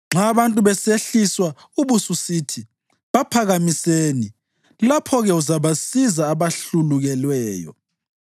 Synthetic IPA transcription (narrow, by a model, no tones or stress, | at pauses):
ŋ͡ǁaβantʼuβɛseɬiswa | uβususiːtʰi | βapʰaɣamiseːni | lapʰɔɣɛuzaβasizaːβaɬuluɣɛlwɛːjɔ̰